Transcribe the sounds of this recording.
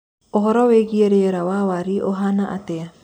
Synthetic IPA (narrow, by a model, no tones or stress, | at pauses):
oɦɔɾɔweɣieɾeɔɾawawaɾiʔoɦanaʔa̰t̪ɛa